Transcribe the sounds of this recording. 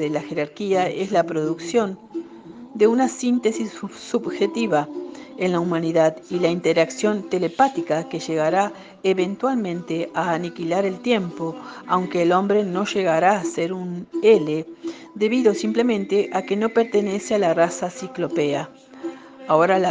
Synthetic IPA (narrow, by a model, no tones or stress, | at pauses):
ðelaxe̞ɾaɾkiae̞slapɾo̞ðuksjo̞n | d̪e̞unasint̪e̞sissubxe̞t̪iβaenlaumãniðaðilaint̪eɾaksjo̞nt̪e̞lepat̪ikake̞ʒe̞ɣaɾa | eβe̞nt̪walmẽ̞nt̪e̞aːnikilaɾe̞lt̪je̞mpo̞awŋke̞ːlo̞mbɾe̞no̞ʒe̞ɣaɾaːseɾunele | d̪e̞βiðo̞simplemẽnt̪e̞ʔake̞no̞pe̞ɾt̪e̞ne̞sealarasasiklo̞pea | ao̞ɾala